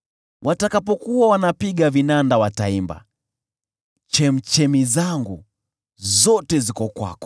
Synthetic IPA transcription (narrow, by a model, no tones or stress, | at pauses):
wʔatakapɔkuwawanapiɠavinandawataimba̰ | t͡ʃɛm̩t͡ʃɛmizaŋɡu | zɔtɛzikɔkwa̰kɔ̥